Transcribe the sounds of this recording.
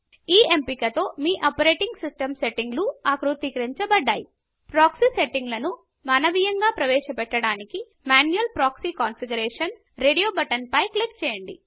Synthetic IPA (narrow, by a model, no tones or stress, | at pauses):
iːempikɐt̪oːmiːʔɐpɐɾeːʈiŋɡsisʈɐmseʈːiŋɡluaːkɾut̪ikɐɾiɲt͡ʃɐbɐɖːaːji | pɾaːksiseʈːiŋɡlɐnu | mɐnɐʋijɐŋɡaːpɾɐʋɛːʃɐpɛʈːɐɽaːniki | maːnujɐlpɾaːksikaːnfiɡɐɾeːʂɐn | ɾeːɽijoːbɐʈɐnpɐjkɐlik̚t͡ʃɛːjɐɳɖi